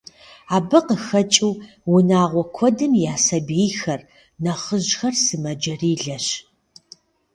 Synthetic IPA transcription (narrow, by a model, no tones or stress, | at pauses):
aːbɨqəxɐt͡ʃʼɪw | wʊnaːʁʷɔkʷʰɔdɨmjaːsɐbejxɐr | nɐχəʑxɐrsɨmɐd͡ʒɐriːɮɐɕ